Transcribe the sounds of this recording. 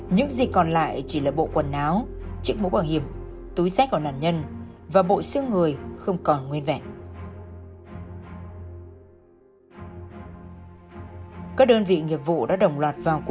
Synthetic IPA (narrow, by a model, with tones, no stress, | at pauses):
ɲɨ̰˧˥ŋzi˨˩kkɔ˨˩nla̰ː˧˨jt͡ɕi˧˩laː˨˩ɓo̰˧˨kwə˨˩nːaː˨˦wt͡ɕɨ˦˥ək̚mo˧˦ɓaː˧˩ŋhi˧˩əm | t̪u˨˦jsa˦˥k̚ka˧˩˨na̰ː˧˩nɲə˧n | vaː˨˩ɓo̰˧˨sɨ˧əŋːɨ˨˩əjxə˧wŋ͡mkɔ˨˩nŋwi˧ənvɛ̰˧˨ʔ | kaː˦˥k̚ɗəː˧nvḭ˧˨ŋi˨˩əp̚vṵ˧˨ɗa̰ː˧˥ɗə˨˩wŋ͡mlwaː˨˩t̚vaː˨˩wk